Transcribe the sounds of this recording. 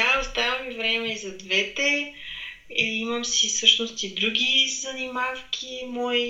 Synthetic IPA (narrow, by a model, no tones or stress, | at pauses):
aost̪avɐmivɾɛmɛizɐd̪vɛt̪ɛ | iiməmsisɤʃnost̪id̪ɾuɡʲizɐnimafk̟ʰʲimɔj